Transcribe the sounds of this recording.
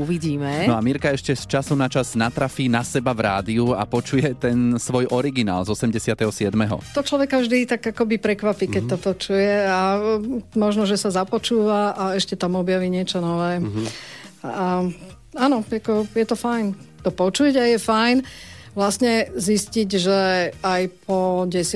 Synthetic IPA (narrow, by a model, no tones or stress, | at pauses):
uʋiɟiːmɛnɔamiɾkaɛʃcɛst͡ʃasunat͡ʃaznat̪ɾafiːnasɛbavɾaːd̪iua̰pɔt͡ʃujɛt̪ɛnsʋɔjʔɔɾiɡina̰ːlzɔsɛmɟɛsɪat̪ɛɦɔsɪɛd̪mɛɦɔ̰t̪ɔt͡ʃlɔʋɛkavʒd̪it̪aɡakɔbipɾɛkʋapiːkɛc̚t̪ɔpɔt͡ʃujɛa | mɔʒnɔʒɛsazapɔt͡ʃuːʋaʔaɛʃcɛt̪amɔbjaʋiːɲɪɛt͡ʃɔnɔʋɛː | a | anɔakɔjɛt̪ɔfajnt̪ɔpɔt͡ʃuɟajɛfajn | ʋlasɲɛzisciɟʒɛajpʰɔɟɛs